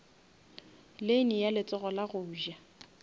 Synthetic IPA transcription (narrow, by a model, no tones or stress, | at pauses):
lenijalɪt͡sʼɔɣɔlaɣʊːʒa